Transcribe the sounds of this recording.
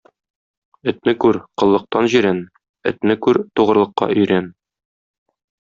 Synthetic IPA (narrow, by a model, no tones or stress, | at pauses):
ɵ̆t̪nɘkʉɾqɤ̆lˠːɤ̆q̚t̪ɑnʑiɾæn | ɘ̆t̪nɘkʉɾt̪uʁɤ̆ɾlˠɤ̆qːɑ̰ʔɵ̆jɾæn